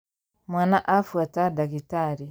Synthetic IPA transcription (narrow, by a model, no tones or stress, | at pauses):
mwanaʔafuatadaɡitaɾi